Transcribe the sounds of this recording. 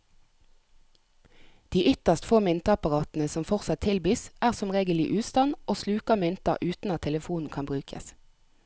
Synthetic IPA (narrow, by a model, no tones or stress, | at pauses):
d̪̥iːʔʏt̪əʁst̪foːmɪnt̪ɑɑpɑʁɑːt̪n̩əsɔmfɔʁsɑt̪ʰɪlbiːsʔæːʁsɔmʁeːɡəlɪ̰ʔʉːst̪ɑnʔoːslʉːkɑmɪnt̪ɑ̰ʔʉːt̪n̩ɑt̪ʰɛləfuːnn̩kʰɑnbʁʉːkʰə̰s